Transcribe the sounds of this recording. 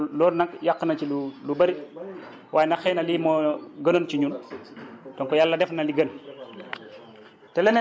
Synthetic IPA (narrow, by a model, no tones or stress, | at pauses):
lɔːɾnɐkjakːənɐt͡ʃilulubɐɾi | wʔaːjnɐxɛːnɐlimoɡɐnonciɲun | tɔnkɔjalːɐdɛfnɐliɡɐn | tɛlɛn